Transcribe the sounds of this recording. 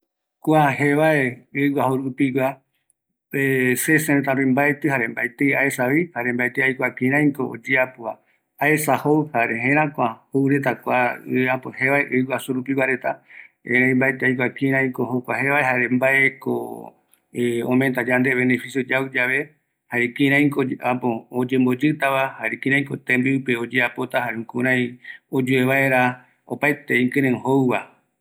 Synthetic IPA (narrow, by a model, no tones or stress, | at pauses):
kʷaɦeʋaeɨwaɦoɾupiwa | eseseɾet̪aɾõj̃mbaet̪ɨhaɾembajt̪eaesaβihaɾembaet̪eajkʷakĩɾ̃ãj̃ko̞ʔo̰d͡ʒiapua | aesahowhaɾeɦẽɾ̃ãkʷãhowɾe̞t̪akʷaɨapoheʋaeʔɨwasuɾupiwʷaɾe̞t̪aḛ̃ɾãj̃mbaet̪eajkʷakĩɾãj̃kohokʷahe̞βaeɦaɾembaʔeko̰ | õ̰mẽnt̪ad͡ʒand̪eβe̞ne̞fisjod͡ʒawud͡ʒaʋe̞ | haɾekĩɾãj̃koapood͡ʒẽ̞mbo̞d͡ʒɨt̪aβahaɾekĩɾ̃ãj̃kot̪ẽmbiupeo̞d͡ʒeapo̞t̪ahaɾekũɾ̃ãj̃od͡ʒueβaeɾa | o̰paet̪e̞ĩŋkɨ̃ɾẽɦowβa